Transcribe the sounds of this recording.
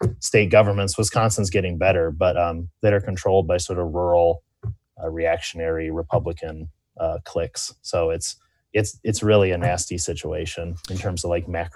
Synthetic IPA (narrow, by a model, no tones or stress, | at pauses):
steɪt̚ɡ̥ʌvə˞mɨ̃ntswʌz̥kʰɑ̃nstə̃n̩sɡ̥ɛɾɪ̃ŋbɛɾə˞bʌtʌ̃mðeɪə˞kʰntʰɹ̥oʊlˠd̚baɪsɔɹɾʌvɹɔɹl̩ˠ | ɹiækʃɨnɛɹiɹɨpʰʌbləkʰɨ̃n | ʌkʰl̥ɪkssoʊɪts | ɨtsɨtsɹɪlˠiɨnæstisɪt͡ʃueɪʃɨ̃nɨ̃ntʰɜ̃˞mzʌvlaɪk̚mæk